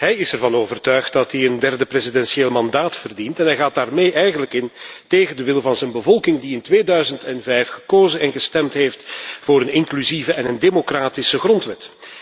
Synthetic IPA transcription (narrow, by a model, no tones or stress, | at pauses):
ɦɛjɪsɛrvɑnoːvərtœɥxt̚dɑtdiəndɛrdəprezidɛnsieːlˠmɑndaːtfərdintɛnɦɛjɣaːt̚d̥aːrmeːʔɛjɣənləkɪnteːɣəndəʋɪlˠvɑnzɛnbəvɔlˠkɪŋdiɪntʋeːdœɥzəntɛnvɛjfxə̥koːzənɛnɣəstɛmtɦeːftvoːɾənɪŋklyzivəʔɛnəndemokraːtisəɣrɔntʋɛt